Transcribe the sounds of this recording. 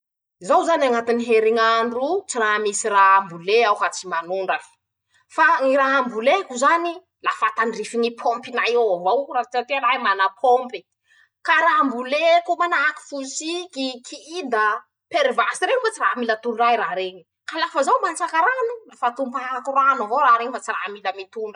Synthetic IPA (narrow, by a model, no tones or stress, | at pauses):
zawzanaŋat̪iniɦeɾiŋaɳɖ͡ʐut͡siraɦmisiɾaɦambuleawkat͡simanuɳɖ͡ʐaki̥ | faŋiɾaɦambulekuzani | lafat̪aɳɖ͡ʐifiŋipʰompinajoavawrat͡sat̪eɾaimanapʰompi | kaɾambulekumanaɦki̥fulsikikʰiid̪ə | peɾvasiɾeɲifat͡siramilət̪unraiɾaɾeɲi | kalafəzawmant͡sakaɾanulafat̪umpaakuranavowɾaɾeɲifat͡siramiləmit̪uɳɖ͡ʐə